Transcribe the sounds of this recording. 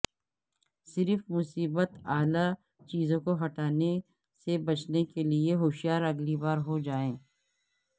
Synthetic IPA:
sɪɾfmʊsiːbət̪aːla | t͡ʃiːzõkoɦɐʈaːne | sebɐt͡ʃnekelieɦoːʃijaːɾɐɡlibaːɾɦod͡ʒaːẽː

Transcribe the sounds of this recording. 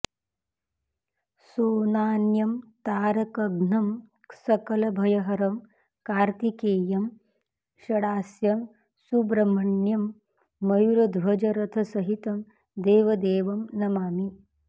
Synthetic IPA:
suːnaːnjɐmt̪aːɾɐkɐɡnɐm | sɐkɐlɐbʱɐjɐɦɐɾɐm | kaːɾt̪ikeːjɐm | ʃɐɽaːsjɐm | subɾɐmɐɳjɐmː | ɐjuɾɐd̪ʱʋɐd͡ʒɐɾɐt̪ʰɐsɐɦit̪ɐm | d̪eːʋɐd̪eːʋɐmnɐmaːmi

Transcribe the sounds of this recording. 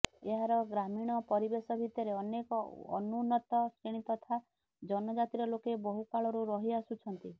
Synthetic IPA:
eɦaɾɔɡɾamiɽ̃ɔpɔɾibesɔbʱit̪ɔɾeɔnekɔɔ̰nunɔt̪ɔseɽ̃it̪ɔt̪ʰa | d͡ʒɔnɔd͡ʒat̪iɾɔlokebɔɦukaɭɔɾuɾɔɦiasut͡ʃʰɔnt̪i

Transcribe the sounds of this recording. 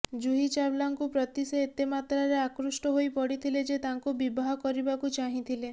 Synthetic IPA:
d͡ʒuɦit͡ʃablaŋkupɾɔt̪iseːt̪emat̪ɾaɾeakɾusʈɔɦojpɔɽit̪ʰiled͡ʒet̪aŋkubibaɦɔkɔɾibakut͡ʃaɦĩt̪ʰile

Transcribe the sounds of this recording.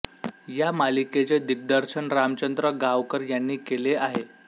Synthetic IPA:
jamaliket͡sed̪ik̚d̪əɾɕəɳɾamt͡ɕənd̪ɾəɡaʋkəɾjanːiːkeleʔaɦe

